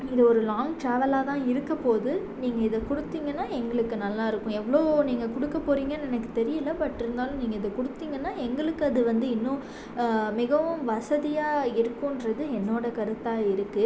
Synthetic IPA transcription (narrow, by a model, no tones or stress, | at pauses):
ɪðɐɔɾɯlaːŋʈɾaːʋɐlaːt̪ãːɪɾɯkːɐpoːðɯ | niːŋɡɐɪðɐkʊɽɯt̪ːiːŋɡɐnːaːɛŋɡɐɭɯkːɯnɐlːaːɪɾɯkːʊ̃ɛʋːɐɭoːniːŋɡɐkʊɽɯkːɐpːoːɾiːŋɡɐnɛnɐkːɯ̥t̪ɛɾɪjɐlːɐpɐʈːɪɾɯnd̪aːlʊ̃niːŋɡɐɪðɐkʊɽɯt̪ːiːŋɡɐnːaːɛŋɡɐɭɯkːɯɐðɯʋɐnd̪ɯɪnːʊ̃ | mɪɣɐʋɯ̃mʋɐsɐðɪjaːɪɾɯkːʊ̃nɾɐðɯɛnːoːɽɐkɐɾɯt̪ːaːɪɾɯkːɯ